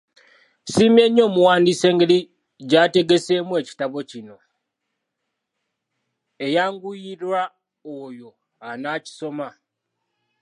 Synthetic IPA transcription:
simje̞ɲːo̞ːmuwaːndise̞ːŋɡeli | ɟate̞ɡe̞se̞ːmwe̞ːci̥taβo̞cino̞ | e̞jaːŋɡujiɾwa | ojo̞ | anaːci̥so̞ma

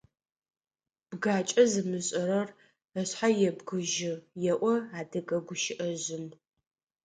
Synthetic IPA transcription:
b̥ɡaːt͡ʃʼɐzɨmɨɕʼɐɾɐr | ɐɕħajɛbɡɨʒɪjɛʔʷɔaːdɐɡʼɐɡʷʊʃɪʔɐʑɪm

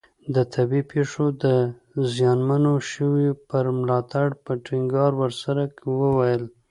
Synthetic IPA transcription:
d̪ət̪ʰabipʰeʂod̪ə | zjɑnmanoʃəwipəɾmlɑt̪aɽpəʈɪŋɡɑɾwəɾsaɾakwəwajəl

